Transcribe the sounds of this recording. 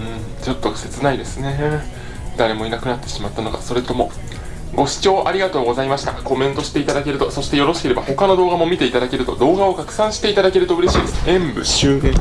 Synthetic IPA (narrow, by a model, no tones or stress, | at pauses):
ɯ̟̃ɴt͡ɕot̪ːo̞se̞t͡sɨnaid̪e̞sɨne̞ | d̪aɾe̞mo̞inakɯ̟nat̪ːe̞ɕimat̪ːano̞ɡa̰so̞ɾe̞t̪o̞mo̞ | ɡo̞ɕi̥t͡ɕo̞ːʔaɾʲiɡat̪o̞ːɡo̞zaimaɕi̥t̪a̰ko̞mẽ̞nt̪o̞ɕi̥t̪e̞it̪ad̪ake̞ɾɯ̟t̪o̞soɕi̥t̪e̞jo̞ɾo̞ɕi̥ke̞ɾe̞baho̞kano̞d̪o̞ːɡamo̞mʲit̪e̞it̪ad̪ake̞ɾɯ̟t̪o̞̰d̪o̞ːɡao̞kakɯ̟̥sãɰ̃ɕi̥t̪e̞it̪ad̪ake̞ɾɯ̟t̪o̞ɯ̟ɾe̞ɕiːd̪e̞sɨẽmbɯ̟